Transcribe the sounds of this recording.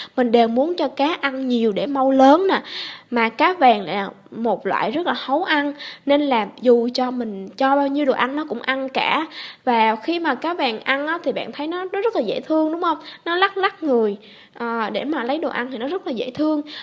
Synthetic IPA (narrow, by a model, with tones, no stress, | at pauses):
mï˨˩ŋ̟ɗe˨˩wmu˨˦ənt͡ɕɔ˧kaː˨˦ʔa˧nɲi˨˩əwɗe˧˩ma˧wləː˨˦nːaː˨˩maː˨˩kaː˨˦vɛː˨˩ŋla̰ː˨˩mo˨˩t̚lwa̰ː˧˨jzə˦˥t̚laː˨˩hə˨˦wʔa˧nne˧nlaː˨˩zu˨˩t͡ɕɔ˧mï˨˩ŋ̟t͡ɕɔ˧ɓaː˧wɲi˧wɗo˨˩ʔa˧nnɔ˨˦kʊ̰˧˥ŋ͡mʔa˧nkaː˧˩vaː˨˩xi˧maː˨˩kaː˨˦˥vaː˨˩ŋʔa˧nʔaː˨˦t̪ʰi˨˩ɓa̰ː˧˨nt̪ʰə˨˦jnɔ˨˦zzə˦˥t̚laː˨˩zḛ˧˩t̪ʰɨ˧əŋɗʊ˨˦ŋ͡mhə˧wŋ͡mnɔ˨˦la˦˥k̚la˦˥k̚ŋɨ˨˩əj | ʔəː˨˩ɗe˧˩maː˨˩lə˨˦jɗo̰˨˩ʔa˧nhʰi˨˩nɔ˨˦zə˦˥t̚laː˨˩zḛ˧˩t̪ʰɨ˧əŋ